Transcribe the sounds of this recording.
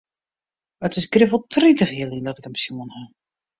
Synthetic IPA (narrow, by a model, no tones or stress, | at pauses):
ətɪsɡrɪvəlˠtritəxiəlˠindɔtɪkəmsjuənha